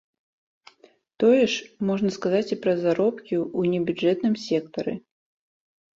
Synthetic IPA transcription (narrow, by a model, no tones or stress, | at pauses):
t̪ɔjɛʂmɔʐnɐskazat͡sʲipɾɐzaɾɔpkʲiunʲɛbʲud͡ʐʐɛt̪nɨmsʲɛkt̪ɐɾɨ̰